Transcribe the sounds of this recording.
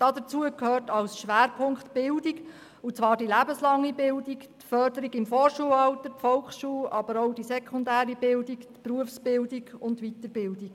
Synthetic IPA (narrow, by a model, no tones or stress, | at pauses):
d̥ɑdət͡suəkʰhøːrtɑlsʃʋæːɾpʰʊŋkχtb̥ɪldiɡ | ut͡sʋɑːɾd̥ilæbəslɑŋːibɪldiktfœɾdəɾiɡɪmfɔːɾʃuəlɑlt̪ətfɔlksʃuːlɑb̥əɾoʊd̥isɛkʰχʊndæːɾibɪldiktpɾuəfsb̥ɪldiɡʊntʋit̪əɾbɪldik